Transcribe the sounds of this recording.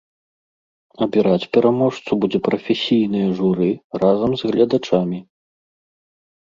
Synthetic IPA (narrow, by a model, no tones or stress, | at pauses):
ɐbʲiɾat͡sʲpʲɛɾamɔʂt̪subud͡zʲɛpɾɐfʲesʲijn̪ɨjɐʐuɾɨrazɐmzɣlʲɐd̪at͡ʂamʲi